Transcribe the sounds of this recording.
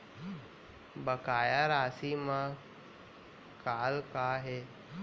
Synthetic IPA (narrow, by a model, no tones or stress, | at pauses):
bəkaːjaɾaːsiːmã | kaːlkaːɦeː